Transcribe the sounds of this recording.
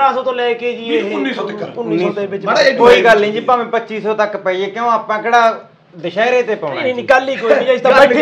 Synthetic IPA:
aːsɔːt̪õːlɛːkeːd͡ʒinːiːsɔːt̪əʊnːiːnːiɔːt̪eːbɪt͡ʃːkoːiːɡəlːĩːd͡ʒɪpaːmẽːpətːt͡ʃiːsɔːt̪əkpɛieːkõːaːpãːkeːɽaː | d̪əʃaːeɾeːt̪eːpəʊ̃niːnɪːkaːliːkoːĩd͡ʒaːɪst̪ã

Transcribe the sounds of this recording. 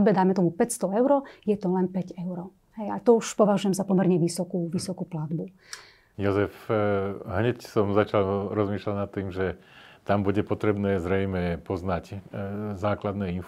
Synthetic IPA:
d̪bɛd̪aːmɛt̪ɔmupɛcst̪ɔɛʊɾɔjɛt̪ɔlɛnpɛɟɛʊɾɔ | ɦɛjat̪ɔuʃpɔʋaʒujɛmzapɔmɛɾɲɛʋisɔkuʋisɔkuplad̪bu | jɔzɛf | ɦɲɛcsɔmzat͡ʃalɾɔzmiːʃlalnat̪ːiːmʒɛt̪ambuɟɛpɔt̪ɾɛbnɛːzɾɛjmɛpɔznac | zaːklad̪nɛːin

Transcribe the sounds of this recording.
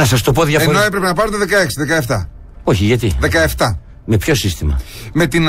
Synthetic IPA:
ɐsɐs̬t̪opoðjʝɐfenoe̞pɾepenɐpɐɾet̪eðe̞kɐeksiðekɐeft̪ɐ | oçiʝɐt̪iðe̞kɐeft̪ɐ | mepço̞sist̪imɐ̰ | me̞t̪in

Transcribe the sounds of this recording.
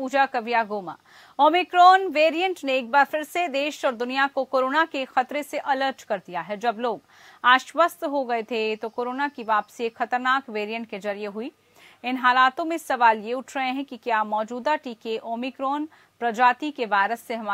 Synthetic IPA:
uːd͡ʒakɐʋijaɡoːma̰ː | oːmikɾɔːnʋeːɾijə̃ɳʈneeːk̚baːɾfʰɪɾsed̪eːʃɔːɾd̪ʊnijakokoːɾoːnakexɐt̪ɾeseʔɐləɾʈkɐɾd̪ijaɦɛd͡ʒɐbloːɡ | aːʃwəst̪ɦoɡɐet̪ʰet̪okoːɾoːnakiʋaːpsiexɐt̪əɾnaːkʋeːɾijə̃ɳʈked͡ʒɐɾijeɦʊi | ɪnɦaːlaːt̪õmẽsɐʋaːljeʊʈʰɾɐɦẽɦɛ̃kikjaːmɔːd͡ʒuːd̪aʈiːkeʔoːmikɾɔːn | pɾɐd͡ʒaːt̪ikeʋaːɪɾəsːeɦɐma

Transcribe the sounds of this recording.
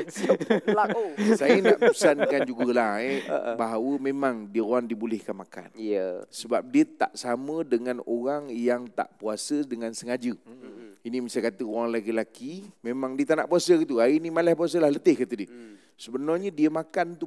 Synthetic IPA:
laosajənaʔpəəsannəkand͡ʒuɡəlahḛbaɦawəmemãŋdiəroaŋdibulɪhkanmaka̰njəsəbap̚diət̪a̰ʔsamə̃dəŋãnoɾaŋjaŋt̪a̰ʔpuasədəŋansəŋad͡ʒə | inĩmisakat̪əoɣaŋlaɡilakimemãŋdiət̪ana̰ʔpuasəkit̪uainĩmalahp̬uas̬əlahlət̪ɪhkat̪ədiə | səbənarɲədiəmakant̪u

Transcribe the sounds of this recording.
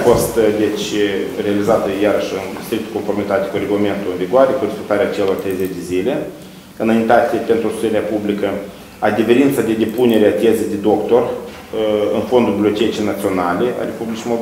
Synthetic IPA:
fo̞st̪d̪e̞t͡ʃʲrealizat̪əjaɾəʃɨnst̪ɾik̚t̪ə̥ko̞nfo̞rmit̪at̪ʲekuɾeɡulame̞nt̪ulɨnviɡoaɾe̞kuɾespek̚t̪aɾeat͡ʃelo̞rt̪ɾejzet͡ʃd̪e̞zilʲe̞ | ɨnaint̪at̪ʲepe̞nt̪ɾust̪u̥t̪eɾeapublikə | ad̪ʲeveɾint̪sad̪ʲe̞d̪e̞punʲe̞ɾeat̪ʲezejd̪ed̪o̞kt̪o̞r | ɨnfo̞nd̪urbliot̪ʲet̪it͡ʃenat̪sio̞nalʲe̞ʔa̰ɾe̞publʲit͡ʃimod̪o

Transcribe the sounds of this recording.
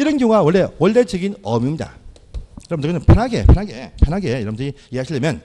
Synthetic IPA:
iɾɯnɡjʌɡawʌɭːe̞wʌɭːe̞d͡ʑɯɡinʌmjumɲida̰ | iɾʌmdɯkɯpʰʌnɦaɡe̞̰pʰjʌnɦaɡḛpʰjʌnɦaɡejʌɾʌmndɯɾi | iɦaɕʰiɭːʌmjʌn

